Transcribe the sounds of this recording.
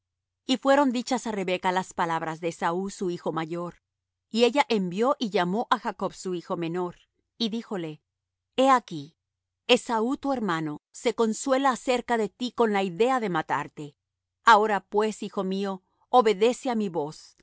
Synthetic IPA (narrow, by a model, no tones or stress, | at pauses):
ifwe̞ɾo̞nd̪it͡ʃasare̞βe̞kalaspalaβɾazðeːsausuixo̞maʝo̞ɾ | ie̞ʝaʔe̞mbjo̞ʔiʝamo̞ʔaxako̞βsuixo̞me̞no̞ɾ | iðixo̞le̞ | e̞aki | esaut̪ue̞ɾmano̞se̞ko̞nswe̞laːse̞ɾkaðe̞t̪iko̞nlaiðe̞aðe̞mat̪a̰ɾt̪e̞ | ao̞ɾapwe̞sixo̞mio̞ | oβe̞ðe̞seamiβo̞s